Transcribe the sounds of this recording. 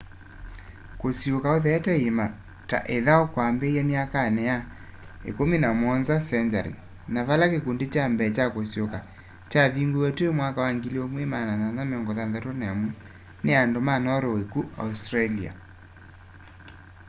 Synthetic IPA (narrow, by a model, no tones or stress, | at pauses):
kosjokaoðɛtɛema | ta̰ʔeðaokwambejamjakanɛjaḛkominamɔnzasɛɲd͡ʒaɾḭ | naβalakekundet͡ʃambɛt͡ʃakosjoka | t͡ʃaβiŋɡuwɛtuemwakawaŋɡileomwemanaðanamɔŋɡɔðanðatonamu | neandomanɔɾowekua̰ustɾalia̰